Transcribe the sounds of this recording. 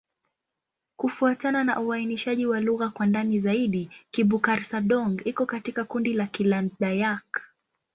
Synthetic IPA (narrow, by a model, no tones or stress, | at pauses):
kufuatanana̰ʔuainiʃaʄiwaluɣakwandanizaiɗikiɓukaɾsaɗɔŋɡikɔkatikakundilakilanɗajak